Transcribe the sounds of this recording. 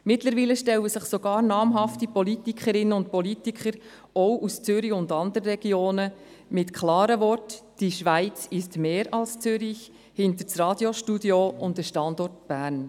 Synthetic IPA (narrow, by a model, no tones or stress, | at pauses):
mɪtləɾʋiːləʃtɛləsɪχsoɡ̥ɑːɾnɑːmɦɑftipɔlitikχəɾɪnəʊnt̚pɔlitikχəɾ | ɔwʔust͡sʏɾiʊndɑnd̪əɾəɾɛɡ̥joːnə | mɪtkʰlɑːɾəvɔrtd̥iʃʋæɪt͡sɪstmeːɾɑlst͡sʏɾɪç | hɪnt̪əɾt͡srɑːdjoʃtudjoʔʊntəʃtɑndɔrtb̥æːɾn